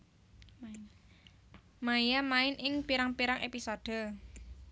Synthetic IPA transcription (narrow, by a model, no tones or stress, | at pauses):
maijamaɪnʔɪŋpiɾaŋpiɾaŋʔepisoɖ̥ə̤